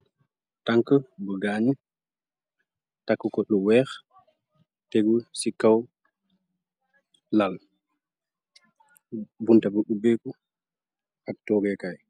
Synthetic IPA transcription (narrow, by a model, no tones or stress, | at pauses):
taŋkəbəɡaːɲu | takːukɔɗuwɛːx | tɛɡusikaw | lal | buntabəɗubɛku | ʔak̚tɔːɡɛkaj